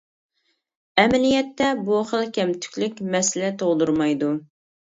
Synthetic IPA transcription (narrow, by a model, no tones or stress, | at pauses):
ɛmɪlijɛt̪ʰːɛbuχəlˠkʲʰɛmt̪ʰy̥kʲlykʲmɛsɪlɛt̪ʰoʁˠd̪uɾmɑjd̪u